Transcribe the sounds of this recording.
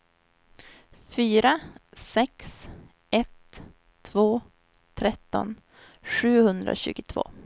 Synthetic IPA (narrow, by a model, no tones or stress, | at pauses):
fyːɾasɛks | ɛt̪ʰː | voː | t̪ʰɾɛt̪ːɔ̰n | ɧʉ̟ːhɵnd̪ɾa̰ɕʉ̟ːɡʊt̪ʰvo̰ː